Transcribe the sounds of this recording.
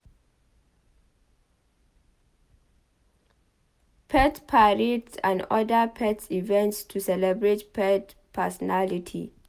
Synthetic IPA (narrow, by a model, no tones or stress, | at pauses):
pʰɛtpʰaɹitsã̰ndɔdapʰɛtsivɛ̃ntstʰusɛlɛbɹetpʰɛt | pʰɛsɔnalitʰḭ